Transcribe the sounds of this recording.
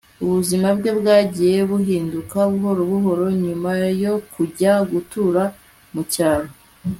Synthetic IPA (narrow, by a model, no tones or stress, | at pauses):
uβuzimabɡe̞bɡaːɟije̞βuhiːndukaβuɦo̞ɾoβuɦo̞ɾo̞ɲumajo̞kuɟaɡutuɾa | mucaːɾo